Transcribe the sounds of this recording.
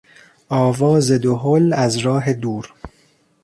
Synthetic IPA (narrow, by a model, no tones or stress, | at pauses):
ʔɒːvɒːzed̪oɦolæzɾɒːɦed̪uːɾ